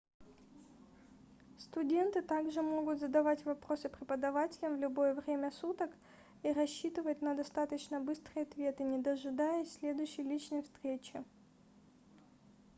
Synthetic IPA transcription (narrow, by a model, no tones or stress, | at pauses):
st̪ʊdʲe̞nt̪ɨt̪aɡʐɨmo̞ɡʊt̪zəd̪ɐvatʲvɐpɾo̞sɨpɾʲɪpəd̪ɐvatʲɪlʲəmvlʲʊbo̞jəvɾʲemʲəsut̪ək | iɾɐɕːit̪ɨvət̚ʲnəd̪ɐst̪at̪ət͡ɕnəbɨst̪rɨjɐt̪vʲe̞t̪ɨnʲɪd̪əʐɨd̪ajəsʲlʲe̞d̪ʊjɕːɪjlʲit͡ɕnəjfst̪ɾʲet͡ɕɪ